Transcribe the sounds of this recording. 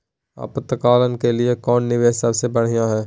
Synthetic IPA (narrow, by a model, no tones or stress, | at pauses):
a̰pət̪ːəkaːlənkelɪekɔːnːɪʋeːʃsɐbsebɐɽ̤ijãɦɛː